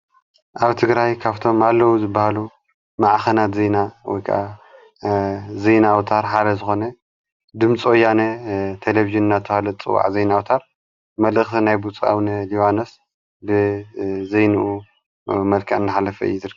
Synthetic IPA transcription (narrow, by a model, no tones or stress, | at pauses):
ʔaβt̪ʰɨɡɾajkʰaβt̪ʰo̞malːɐwuzɨbːahalu | maʕxɐnat̪zejnawɔ̰jkʰa̰ʔa̰ | zejnawt̪ʰaɾħalɐzɨxo̞nɐ | d̪ɨmt͡sʼojanɐt̪ʰeleviʒɨnɨnːat̪ʰːɐhalɐt͡sʼɨ̰wa̰ʕzejnawt̪ʰaɾ | mɐlʔɨxt̪ʰinajbut͡sʼua̰wnɐliwanos | bɨzejnuʔu | mɐlkʰɐʔɨnːɨħalːɐfɐɨ̰jud̪ɨɾ